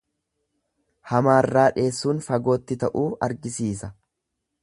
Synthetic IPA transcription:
hɐmaːrːaːᶑe̞ːsːuːnfɐɡo̞ːt̪ːɪt̪ɐʔuːɐ̰ɾɡɪsiːs̬ɐ

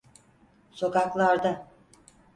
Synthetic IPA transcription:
so̞kaklˠaɾd̪a

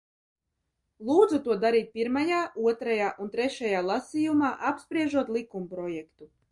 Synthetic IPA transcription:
lˠuːd̪zut̪uɔd̪aɾiːt̪̚ʲpʲiɾmajaːʔuɔt̪ɾajaːʔunt̪ɾɛʃajaːlˠasiːjumaːʔapspɾiɛʒuɔt̪lˠikumpɾɔjɛkt̪u

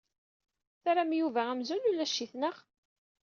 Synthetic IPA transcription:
θaɾæmjuvææmzululːæʃːiθnəʁ

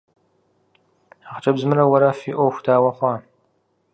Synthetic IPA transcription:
aχt͡ʃʼɐbzmɨɾɐwɐɾɐfiːʔʷoxʷdaːwɐχʷɑː

